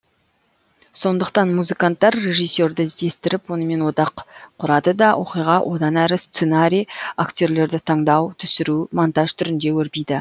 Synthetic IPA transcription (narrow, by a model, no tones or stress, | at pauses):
so̞nd̪əqt̪ɑnmuzɨkant̪ːɑɾːe̞ʒijsːe̞ɾd̪ɪd̪e̞st̪ɪɾɪpwo̞nəme̞nwo̞d̪ɑqqʰːʊɾɑd̪əd̪ɑwʔo̞qijʁɑwʔo̞d̪ɑnæɾɪst̪senaɾʲijakt̪ʲo̞ɾle̞ɾd̪ɪt̪ʰɑɴd̪ɑwt̪ʰʏsɪɾumont̪ɑʒt̪ʰʏɾɪnd̪e̞wɵɾpijd̪ɪ